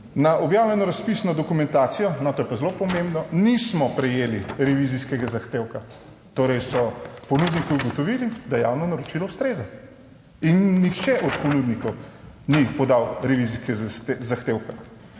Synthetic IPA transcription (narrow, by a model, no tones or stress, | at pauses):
naʔɔbjaːwlʲɛnɔɾaspisnɔd̪ɔkumɛ̃nt̪aːt̪sijɔnat̪ojɛpazelopɔmẽmbnɔnismɔpɾɛjeːliɾɛʋiziskɛɡazaxt̪eːwka | t̪oːɾɛjsɔpɔnuːd̪nikiuɡɔt̪ɔʋiːlid̪ajɛja̰ːwnɔnaɾɔt͡ʃilɔust̪ɾeːza | inːixt͡ʃɛʔɔt̪pɔnud̪nikɔw | nipɔd̪awɾɛʋiziskɛzaxt̪eːwka